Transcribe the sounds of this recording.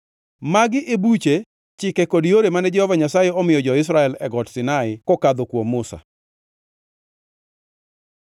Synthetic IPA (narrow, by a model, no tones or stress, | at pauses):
maɡɪʔebut͡ʃe | t͡ʃɪkɛkodijoɾemanɛd͡ʒɛhɔvaɲasajeɔmɪjɔd͡ʒɔɪs̬ɾaɛlɛɡɔtsɪnaɪkɔkad̪okwomːʊsa̰